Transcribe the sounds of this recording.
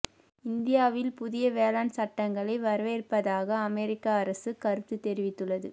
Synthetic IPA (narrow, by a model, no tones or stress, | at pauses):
ɪnd̪ɪjaːʋɪlpʊðɪjɐʋeːlaːnsɐʈːɐŋɡɐɭɐɪʋɐɾʋeːrpɐðaːɣɐːmɛɾɪkːaɐɾɐsɯkɐɾɯt̪ːɯt̪ːɛɾɪʋɪt̪ːɯɭːɐðɯ̰